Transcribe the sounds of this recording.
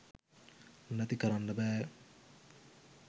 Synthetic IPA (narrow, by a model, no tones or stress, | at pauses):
unːæt̪ikəɾanːəbɛː